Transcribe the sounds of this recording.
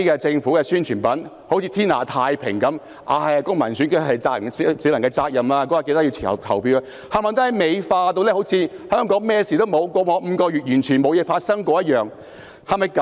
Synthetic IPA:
i˥kɛː˧t͡sɪ˧ŋfuː˨˥kɛː˧syː˥nt͡ʃʰyː˨˩npɐ˨˥n | ho˨˥wt͡sʰiː˧t̪ʰiː˥nla̰ː˨˩t̪ʰaː˧jpʰɪ̰˨˩ŋkɐ˨˥m | ʔaː˧˩jkʊ˥ŋmɐ˨˩nsyː˨˥nke˥ɦɐ˨jt͡saː˧k̚jɐ˨˩ssiː˨˥wlɐ˨˩ŋkɛː˧t͡saː˧k̚jɐ˨mlaː˧kɔː˨˥aː˨ke˧jt̪a˥ji˧wt̪ʰːɐ̰˨t̪ʰɐ˨˩wpʰiː˧wa˧ | haː˨maː˨˩nt̪o˥hjme˨˧jfaː˧t̪o˧wlɛ˥ho˨˥wt͡sʰiː˧hœː˥ŋkɔː˨˥ŋmɛː˥˩siː˨t̪o˥wmo˨˧wkʷɔː˧ŋɔː˨˧m̩ː˨˧kɔː˧jyː˨t̚jyː˨˩nt͡ʃʰyː˨˩nmo˨˧wjɛː˨˧faː˧t̚sɐ˥ŋkʷɔː˧jɐ˥t̚jœː˨ŋ | hɐ˨jmɐ˨jkɐ˨˦

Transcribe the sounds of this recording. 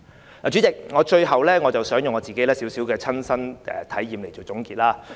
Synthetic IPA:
laː˨t͡ʃy˨˥t͡sɪ˨k̚ŋɔː˨˧t͡ʃɵ˧ɥɦɐ˨wlɛː˥ŋɔ˨˧t͡sɐ˨wsœː˨˥ŋjʊ˨ŋːɔː˨˧˥t͡siː˨ke˨˥jlɛː˥siː˨˥wsiː˨˥wkɛː˧t͡sʰɐ˥nsɐ˥nɛ̰˨t̪ʰɐ˨˥jːiː˨mle˨˩jt͡so˨˩wt͡sʊ˨˥ŋkiː˧t̚laː˥

